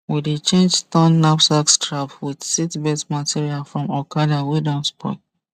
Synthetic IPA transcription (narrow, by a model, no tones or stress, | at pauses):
widet͡ʃẽnd͡ʒtɔ̃nːapsakstɹapwidsitbɛtmatʰiɹialfɹɔ̃mɔkadawidɔ̃mspʰɔ̰